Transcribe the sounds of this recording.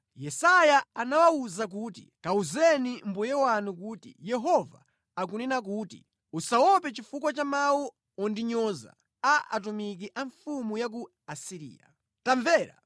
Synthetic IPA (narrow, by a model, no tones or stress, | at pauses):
jɛsajaanawauzak̬uːtḭkauzɛnim̩bujɛwanukutḭjɛɦɔva̰ | akunɛnak̬uːtḭ | usawɔpɛt͡ʃifukwat͡ʃamawɔ | ɔndiɲɔza̰ | aʔa̰tumik̬iʔaɱfumujak̬u | asiɾḭːja̰ | taɱvɛːɾa̰